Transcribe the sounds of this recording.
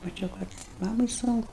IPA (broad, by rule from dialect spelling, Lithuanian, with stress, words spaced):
mɐˈt͡ʃʲɛʊ kɐt ˈmɑːmɐɪ ˈsʊŋkʊ